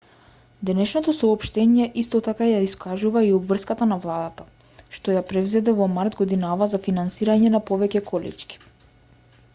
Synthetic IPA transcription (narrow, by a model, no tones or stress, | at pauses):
d̪ɛnɛʃnɔt̪ɔsɔːpʃt̪ɛɲiɛʔist̪ɔt̪akajaiskaʒuvaiɔbvr̩skat̪anavlˠad̪at̪a | ʃt̪ɔjapɾɛvzɛd̪ɛvɔmaɾt̪ɡɔd̪inavazafinansiɾaɲɛnapɔvɛcɛkʰɔlɛ̰t͡ʃkʲi̥